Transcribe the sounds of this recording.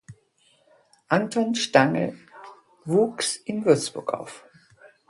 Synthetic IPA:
ʔantʰɔnʃtaŋl̩ | vuːksʔɪnvʏɐt͡sb̥ʊɐkʔa̰ʊf

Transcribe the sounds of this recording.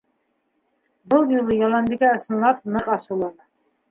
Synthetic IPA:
bɤlˠjulˠɤjɑlˠɑnd̪iɡʲæɤ̆sɤ̆nlˠɑp̚nɤqɑsulˠɑnɤ

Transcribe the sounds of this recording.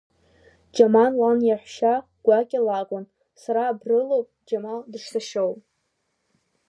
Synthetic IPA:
d͡ʒamanlanjaħʷʃa | ɡ̥ʷakʲʼalakʷʼʊn | saɾaːbrɨlowpʼd͡ʒamaldɨʂsaʃowpʼ

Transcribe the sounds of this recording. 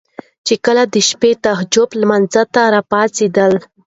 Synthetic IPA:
t͡ʃekəlad̪əʃpet̪aɦd͡ʒʊplmanzat̪aɾɑpɑt͡sed̪əl

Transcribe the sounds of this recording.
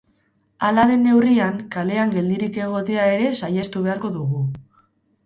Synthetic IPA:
alaðe̞nːe̞wriaŋkale̞aŋɡe̞ld̪iɾike̞ɣ̞o̞t̪e̞ae̞ɾe̞saje̞st̪uβ̞e̞aɾko̞ðuɣ̞u

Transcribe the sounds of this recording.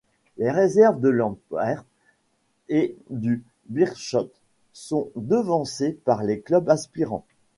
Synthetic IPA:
leʁezɛʁvd̪əlɑ̃pɛʁ | ed̪y | biʁʃɔt̪ | sɔ̃d̪əvɑ̃sepaʁleklœbaspiʁɑ̰̃

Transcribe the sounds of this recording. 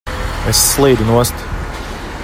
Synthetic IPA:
ɛsːlˠiːd̪unuɔst̪

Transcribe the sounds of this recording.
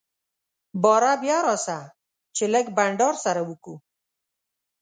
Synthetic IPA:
bɔɾabjaɾɔsa | t͡ʃeləɡbaɳɖɑɾsaɾawuku

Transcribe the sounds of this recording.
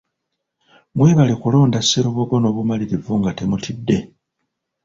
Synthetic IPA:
mweːβalikulo̞ːndasːeɾo̞βoɡono̞ːβumaliɾivuŋɡate̞mutʰidːe̞

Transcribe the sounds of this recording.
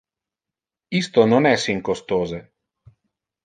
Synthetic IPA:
ist̪ononɛsiŋkost̪oːze

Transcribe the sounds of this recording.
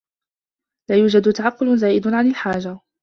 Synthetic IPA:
laːjuːd͡ʒad̪t̪aʕɑqːʊlzaːjɪd̪ʊʕanɪlħaːd͡ʒa

